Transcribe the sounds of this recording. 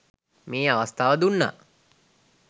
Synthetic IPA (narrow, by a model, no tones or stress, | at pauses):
meːaʋast̪ʰaːʋəd̪unːa̰